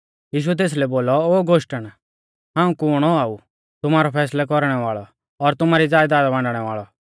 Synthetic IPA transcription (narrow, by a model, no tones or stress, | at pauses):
jiːʃ̬uɛt̪̬eːs̬lɛboːlɔoːɡoʃʈəɽ̃ | ɦãːũkʊɽ̃ɔaːu | t̪ʊmaːɾɔpʰɛːslɛk̬ɔɾɽ̃ɛʋaːɭɔː | ɾt̪ʊmaːɾid͡zaːjd̪aːd̪bãɳɖɽ̃ɛʋaːɭɔ